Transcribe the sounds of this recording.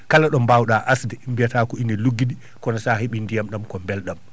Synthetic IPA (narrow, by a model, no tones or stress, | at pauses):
kalaɗɔmbawɗaʔasdɛmbijataːkɔinɛluɡːiɗi | kɔnasaːɦeɓindijamɗamkɔmbɛlɗam